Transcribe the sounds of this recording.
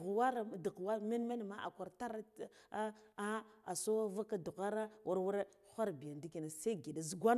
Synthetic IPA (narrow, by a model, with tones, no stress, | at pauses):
wa˦ɾa˨du˨wa˦me˦n˦me˦n˨ma˦ʔa̰˨kʷa˨ɾta˦ɾa˦ | a˦a˨so˦va˦ka˦du˨ɣa˦ɾa˦wʔa˦ɾwu˦ɾe˦xʷa˦ɾbi˨ja˨ndi˦ki˨na˨sa˦ɡi˨da˨zɡʷa˦n